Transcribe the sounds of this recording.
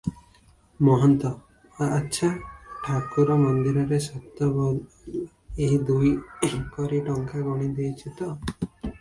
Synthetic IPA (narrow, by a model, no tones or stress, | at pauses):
mɔɦɔnt̪ɔː | tːʃʰaʈʰakuɾɔmɔnd̪iɾɔɾesɔt̪ːɔbɔ | eɦid̪ujkɔɾiʈɔŋkaɡɔɽ̃id̪ejt͡ʃʰit̪ɔ